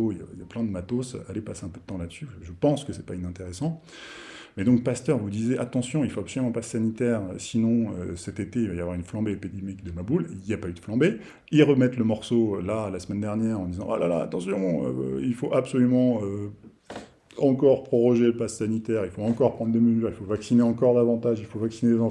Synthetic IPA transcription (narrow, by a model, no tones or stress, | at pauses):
oija̰ijaplɛ̃d̪əmat̪osalepaseɛ̃pød̪ət̪ɑ̃lad̪əsyʒəpɑ̃skəsɛpainɛ̃t̪eʁesɑ̃ | mɛd̪ɔ̃k̚past̪œʁvud̪izɛʔat̪ɑ̃sjɔ̃ilfoapsɔlymɑ̃pasːanit̪ɛʁøsinɔ̃ø̰sɛt̪et̪eilvajavwaʁynflɑ̃beepid̪imikd̪əmabuliljapayd̪̥əflɑ̃be | iʁəmɛt̪ləmɔʁsolalasmɛnd̪ɛʁnjɛʁɑ̃d̪izɑ̃ʔa̰la̰la̰a̰t̪ɑ̃sjɔ̃ø̰ilfoʔapsɔlymɑ̃ø | ɑ̃kɔʁpχɔʁɔʒeləpassanit̪ɛʁilfoɑ̃kɔʁpχɑ̃d̪ʁd̪eməzyʁilfovaksineɑ̃kɔʁd̪avɑ̃t̪aʒilfovaksinelezɑ̃